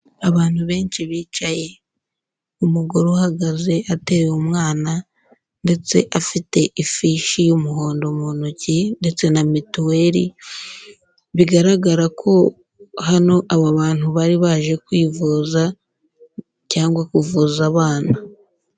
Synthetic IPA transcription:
aβaːn̥huβe̞ːnt͡ʃiβiːt͡ʃaje̞ | umuɡoɾohaɡaze̞ʔate̞womŋaːna | nde̞t͡se̞̰ʔafite̞ʔifiʃijumuɦo̞ːndo̞monocinde̞t͡se̞namituwe̞ɾḭ | βiɡaɾaɡaɾakʰo̞ | hano̞ʔaβaβaːnhuβaɾiβaːʒe̞kwiːvuːza | caːŋɡwakuvuːzaβaːna

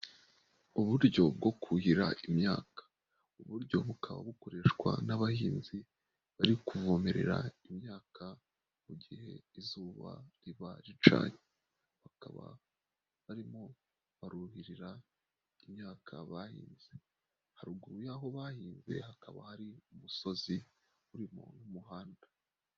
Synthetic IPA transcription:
uβuɾɟo̞bɡo̞kʰuhiɾaimɲaːkḁ | uβuɾɟo̞βukʰaβa̰βuko̞ɾe̞ʃkwa̰naβahiːnzi | βaɾikuvo̞me̞ɾe̞̰ɾa̰imɲaːkʰa | muɟihe̞̰izuːβa̰ɾiβa̰ɾit͡ʃa̰ːɲe | βaka̰βa̰ | βaɾimo̞ | βaɾuuhiɾiɾa | imɲaːkʰaβahḭːnze | haɾuɡuɾujaːɦo̞βahiːnze̞̰hakaβa̰haɾiumuso̞zi | uɾimo̰numuɦaːnda

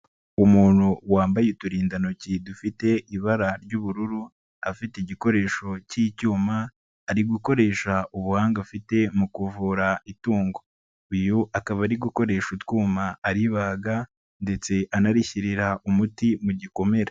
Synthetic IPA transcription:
umuːnhuwaːmbajetuɾiːndanocidufite̞ʔiβaɾaɾɟuːβuɾuɾu | afiteiɟiko̞ɾe̞ːʃo̞cicuːmaː | ɾiɡuko̞ɾe̞ːʃaʔuβuhaːŋɡafite̞mukuvuːɾaituːŋɡo̞ | ujuakaβaɾiɡuko̞ɾe̞ːʃutwuːmaːɾiβaːɡa | nde̞t͡se̞ʔanaɾiçiɾiɾaʔumutimuɟiko̞me̞ɾe

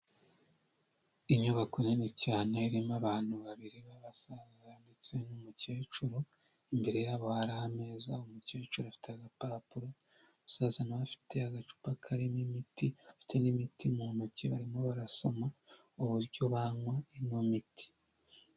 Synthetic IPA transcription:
iɲuβakonenecaːneiɾimaβaːn̥huβaβiɾiβaβasazaβandit͡senumuce̞ːt͡ʃuɾo | imbe̞ɾe̞jaːβo̞haɾahame̞ːzaomuce̞ːt͡ʃuɾafi̥teaɡapaːpuɾo | βasaːzanaβafi̥tʰe̞aɡat͡ʃu̥pakʰaɾimimitiafi̥te̞nimitimunuciβaɾimo̞βaɾaso̞ma | oβuɾɟo̞βaŋwaenomiti̥

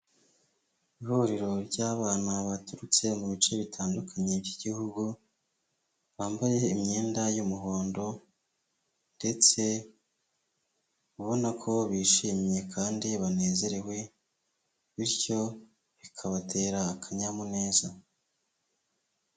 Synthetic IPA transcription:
ihuɾiɾo̞ɾɟaːβaːnaβatuɾut͡se̞muβit͡ʃe̞βitʰaːndukʰaɲe̞vjiɟihuɡu | βaːmbaje̞imɲe̞ːndajumuɦo̞ːndo̞ | nde̞t͡se̞ | βuβo̞nakʰo̞βiːʃiːmje̞kʰaːndiβane̞ːze̞ɾe̞we̞ | βiɾco̞ | βikʰaβatʰe̞ːɾaːkʰaɲamune̞ːza

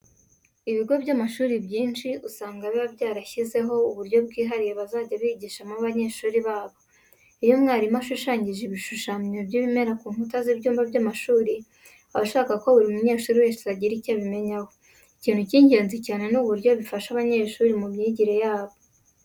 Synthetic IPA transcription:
iβiɡo̞bɟamaʃuːɾibjiːnʃiʔusaːŋɡaβiβabɟaːɾaçize̞ɦo̞uβuɾjo̞b̚ɡiːɦaɾijeβazaːɟaβiːɟiːʃamuβaɲe̞ːʃuːɾiβaːβo̞ | ijumŋaːɾimaʃuʃaːɲɟiʒeβiʃuʃamabɟiβime̞ɾakuːnhutazibɟuːmbabɟamaʃuːɾi | aβaʃaːkakoβuɾiumuɲe̞ːʃuːɾiweːʃizaɟiɾicaβime̞ɲaho̞ | iciːn̥huciːɲɟe̞ːnzicaːne̞nuβuɾɟo̞βifaʃaβaɲe̞ːʃuːɾimumɲiɟiɾe̞jaːβo

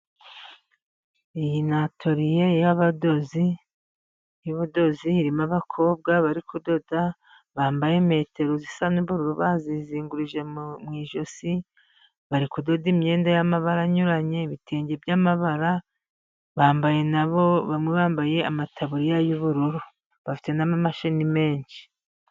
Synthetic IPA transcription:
ijinatʰo̞ɾijejaβado̞zi | juβudo̞ziːɾimaβakʰo̞ːb̚ɡaβaɾikudo̞da | βaːmbaje̞me̞ːte̞ɾozisanuβuɾuɾuβaziziːŋɡuɾiʒe̞mŋiːʒo̞si | βaɾikudodimɲe̞ːndajamaβaɾaɲuɾaɲe̞βitʰeːɲɟe̞bjamaβaɾa | βaːmbaje̞naβo̞βamŋe̞βaːmbaje̞amatʰaβuɾijajuβuɾuɾu | βafi̥te̞namamaʃinime̞ːɲʃi̥

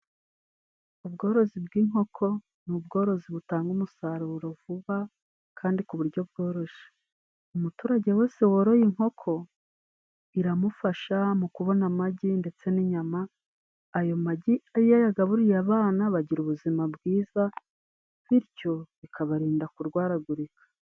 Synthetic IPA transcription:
ubɡo̞ːɾo̞zibɡiːŋho̞kʰo̞ | nubɡo̞ːɾo̞ziβutaːŋɡumusaɾuɾo̞vuβa | kʰaːndikuβuɾɟo̞bɡo̞ːɾo̞ʃe̥ | umutuːɾaɟe̞we̞ːse̞woɾojiŋho̞kʰo̞ | iɾamufaʃamukuβo̞namaɟinde̞t͡se̞niɲamaː | jo̞maɟiajajaɡaβuɾijaβaːnaβaɟiɾuβuzimabɡiːza | βiɾɟo̞βikʰaβaɾiːndakuɾɡwaːɾaɡuɾikʰḁ

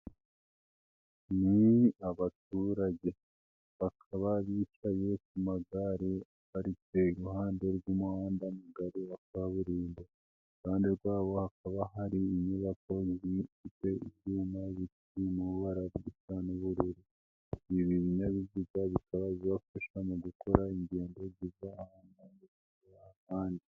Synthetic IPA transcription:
niaβat̚uːɾaɟe̞ | βakʰaβaβiːt͡ʃaje̞k̚umaɡaɾi | aɾikeiɾuhaːnde̞ɾɡumuhaːndamuɡaɾiakaβaβuɾiːnde | kaːndiɾɡwaːβo̞hakʰaβaɦaɾiːɲuβako̞zifite̞icuːmaβit | imuɾuβaɾaβɡisanuβuɾiɾi | iβiβiɲaβivuɡaβikʰaβaβiβafaʃamuɡuko̞ɾaiɲɟe̞ːndo̞zizaːhaːnaɲi | uaahaːndi

